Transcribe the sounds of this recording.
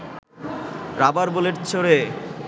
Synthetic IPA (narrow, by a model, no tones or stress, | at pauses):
ɾabaɾboleɾt͡ɕʰoɽe